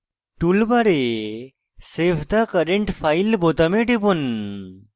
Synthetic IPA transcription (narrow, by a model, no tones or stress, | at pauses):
ʈulbaɾe | sepʰd̪akəɾeɳʈpʰajlbot̪əmeʈipun